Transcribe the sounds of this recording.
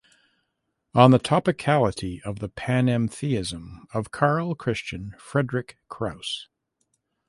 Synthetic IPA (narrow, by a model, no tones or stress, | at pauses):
ə̃nðətʰɑpɨkʰælˠəɾiʔʌvðəpʰæ̃nɛ̃mθiɪzə̃mʌv̥kʰɑɹl̩ˠkʰɹ̥ɪst͡ʃɨ̃nfɹɛdɹɨkʰɹ̥aʊs